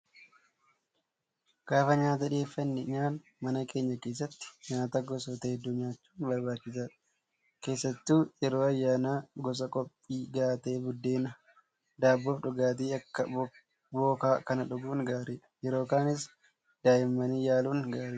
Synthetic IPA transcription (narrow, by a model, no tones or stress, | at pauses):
ɡ̥aːfɐɲaːt̪̬ɐᶑɪe̞ːfːɐnːɪɲaːn | mɐnɐkʰe̞ːɲːɐke̞ːs̬ːɐt̪ːɪ̥ɲaːt̪aɡɔsoːt̪ɐɛd̪ːuɲaːt͡ʃːu̥ːnbɐɾbaːt͡ʃːɪs̬aːᶑ | ke̞ːsːɐt̪ːuːjɛɾoːɐjːaːnaːɡɔs̬ɐkʼɔpʼːiːɡaːt̪ɐeːbʊd̪ːe̞ːnɐ | d̪aːbːɔfᶑʊɡaːt̪̬iːɐkːɐ | boːkaːkɐnɐᶑʊɡuːnɡaːɾiːᶑɐ̥jɛɾo̞ːkaːnɪs | d̪̥aːʔɪmːɐniːjaːluːnɡaːɾiː